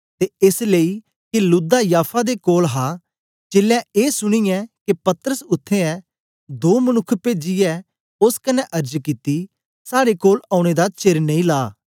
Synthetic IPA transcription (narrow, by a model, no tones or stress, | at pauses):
t̪eɪslei | kɪlʊd̪ajaːpʰad̪ekoːlɦaː | t͡ʃɪlãeːsʊɽ̃ijɛ̃kepɐt̪ɾəsʊt̪ʰːeɛ | d̪oːmənʊkʰːped͡ʒɪjɛ | ʊskɐnɛʔɐɾd͡ʒkit̪i | saːɽekoːlaːʊɽ̃ed̪at͡ʃeɾnẽĩlaː